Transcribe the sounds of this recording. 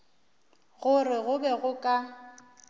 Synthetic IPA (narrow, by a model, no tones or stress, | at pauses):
ɣʊrɪɣʊbɛɣʊkʼa